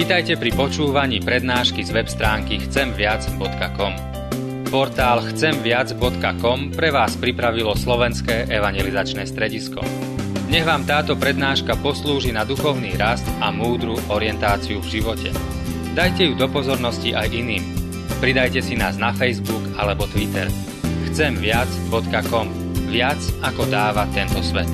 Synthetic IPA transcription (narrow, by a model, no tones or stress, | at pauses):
ʋiːt̪ajcɛpɾipɔt͡ʃuːʋaɲiːpɾɛd̪naːʃkizʋɛpst̪ɾaːŋkixt͡sɛmʋɪad͡zbɔt̪kakɔm | pɔɾt̪aːlxt͡sɛmʋɪad͡zbɔt̪kakɔmpɾɛʋaːspɾipɾaʋilɔslɔʋɛnskɛːʔɛʋaɲjɛlizat͡ʃnɛːst̪ɾɛɟiskɔ̰ | ɲɛɣʋaːmt̪aːt̪ɔpɾɛd̪naːʃkapɔsluːʒinad̪uxɔʊniːɾast̪amuːd̪ɾuʔɔɾɪɛnt̪aːt͡siuvʒiʋɔcɛ̰ | d̪ajcɛjud̪ɔpɔzɔɾnɔsciʔajʔiniːm | pɾid̪ajcɛsinaːznafɛjzbuɡalɛbɔt̪ʋit̪ɛ̰ɾ | xt͡sɛmʋɪad͡zbɔt̪kakɔm | ʋɪat͡sakɔd̪aːʋat̪ɛnt̪ɔsʋɛ̰t̪